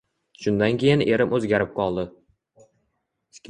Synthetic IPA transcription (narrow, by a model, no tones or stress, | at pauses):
ʃʊnd̪ankʲʰe̞jɪne̞ɾɪmʔɵzɡʲaɾɪp̚qʰɒlˠd̪ɪ